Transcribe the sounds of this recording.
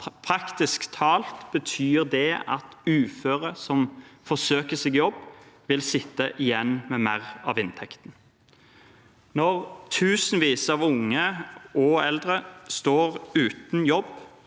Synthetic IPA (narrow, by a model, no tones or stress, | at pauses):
pʰɾɑkt̪ɪskt̪ʰɑːlt̪b̥ət̪ʰyːʁd̪ɛɑ̰t̪ʉːføːʁəsɔmfɔsøːkəsɪɡjɔbːʋɪlsɪt̪ːəʔɪjɛnːmɛmæɾɑ̰ʋɪnt̪ʰɛkt̪n̩ | nɔʁt̪ʰʉːsnʋiːsəɑːʋʊŋːəɔɛld̪ʁəst̪oːʁʉːt̪n̩jɔb